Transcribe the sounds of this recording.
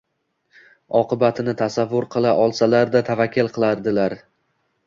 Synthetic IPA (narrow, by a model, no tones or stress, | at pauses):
ɒqʰɨbat̪ʰɪnɪt̪ʰasavːʊɾqʰɨlˠaʔɒlˠsalaɾd̪at̪ʰavakʲːɪlˠqʰɨlˠaɾd̪ɪlaɾ